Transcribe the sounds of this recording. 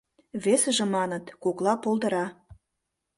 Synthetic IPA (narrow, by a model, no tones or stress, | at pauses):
βesə̆ʒĕmɑnə̆t̪koklɑpolˠd̪ə̆ɾɑ